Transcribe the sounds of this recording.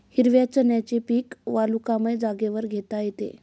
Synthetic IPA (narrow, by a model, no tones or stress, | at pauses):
hiɾʋjat͡ɕənjat͡ɕepiːkʋalukamed͡zaɡeʋəɾɡʱet̪ajet̪ḛ